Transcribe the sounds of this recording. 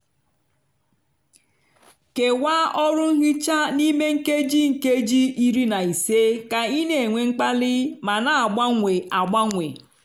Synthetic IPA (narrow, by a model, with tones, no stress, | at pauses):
ke˨wa˦ɔ˦ɾʊ˦ŋ̩˦ɦɪ˦t͡ʃa˦ni˦me˦ŋ̩˦ke˦d͡ʒi˦ŋ̩˨ke˦d͡ʒi˦i˦ɾi˦na˨i˨se˦ka˨i˦ne˨e˨ŋʷe˨ŋ͡m̩˦k͡pa˦lɪ˦ma˨na˨a˨ɡ͡ba˦ŋʷe˨ʔa˨ɡ͡ba˦ŋʷe˨